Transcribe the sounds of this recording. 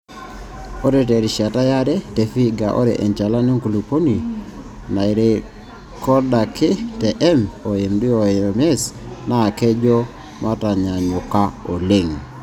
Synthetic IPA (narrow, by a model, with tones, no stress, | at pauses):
o˦ɾɛ˨t̬ɛ˨ɾi˨ʃa˨ta˦ja˦ɾɛ˦tɛ˨fi˦ɡa˨ʔo̰˦ɾɛ̰˨ʔɛ̰˨ɲt͡ʃa˨la˦ni˦ŋku˨lu˨po˦ni˨ | na˨i˨ɾe˨ | kɔ˦da˨kɪ˦tɛ˨ʔɛ˦mo˨e˨mdi˦o˨mɛ˦sna˦˨kɛ˦d͡ʒɔ˦ | ma˦ta˨ɲa˨ɲʊ˨ka˦o˨le˦˨ŋ